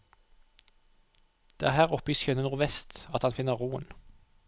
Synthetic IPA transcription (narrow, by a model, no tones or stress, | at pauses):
d̪̥eːæːʁhæːʁɔpjiːsçœnənuːʁʋɛst̪ɑt̪hɑnfɪnəʁʁuːə̰n